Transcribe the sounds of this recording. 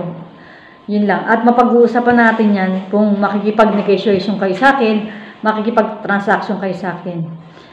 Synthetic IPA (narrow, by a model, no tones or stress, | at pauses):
jʊnlɐŋʔɐt̪̚mɐpɐɡuːsapɐnaːt̪ɪnjankʊŋmɐkikɪpɐɡ̚nɛɡɛʃʊejʃonkɐjosɐʔaːkɛnmɐkɪkɪpaɡ̚t̪ɾɐnsʔakʃonkɐjosɐʔaːkɛn